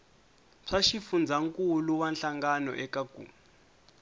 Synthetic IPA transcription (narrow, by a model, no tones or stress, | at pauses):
ʂʰaʃifund͡zaŋkuluwanɬaŋɡanɔ̰ʔɛkaɡ̥ʱṵːmu